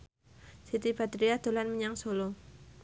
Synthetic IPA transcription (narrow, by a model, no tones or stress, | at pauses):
sit̪ibat̪ɾiad̪̥o̤lanməɲaŋsolo